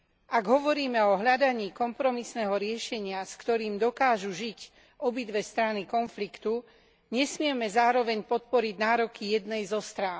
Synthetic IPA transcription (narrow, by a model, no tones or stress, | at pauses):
ʔaɡɦɔʋɔɾiːmɛɔɦʎad̪aɲiːkɔmpɾɔmisnɛːɦɔɾɪɛʃɛɲɪaskt̪ɔɾiːmd̪ɔkaːʒuʒic | ʔɔbid̪ʋɛst̪ɾanikɔnflikt̪u | ɲɛsmɪɛmɛzaːɾɔʋɛɲpɔt̪̚pɔɾiɟnaːɾɔkijɛd̪nɛjzɔst̪ɾaːn